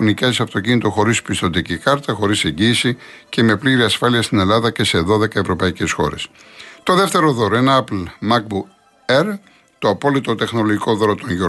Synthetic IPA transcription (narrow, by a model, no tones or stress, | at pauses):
nicesɐft̪o̞cinit̪o̞xo̞ɾispist̪o̞t̪icikɐɾt̪ɐxo̞ɾise̞ɲɟiːsi | ce̞me̞pliɾiɐsfɐliɐst̪ine̞lɐðɐce̞se̞ðo̞ðe̞kɐe̞vɾo̞pɐice̞sxo̞̰ɾe̞̰st̪o̞ðe̞ft̪e̞ɾo̞ðo̞ɾoenɐɐplmɐk̚bu | eɾ | t̪oɐpo̞lit̪o̞t̪e̞xno̞loʝiko̞ðo̞ɾot̪o̞ɲʝo